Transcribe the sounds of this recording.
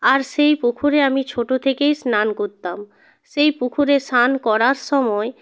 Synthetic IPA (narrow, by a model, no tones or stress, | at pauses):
aɾʃejpukʰuɾeamit͡ɕʰoʈot̪ʰekejsnankoɾt̪am | ʃejpukʰuɾesankɔɾaɾʃɔmɔe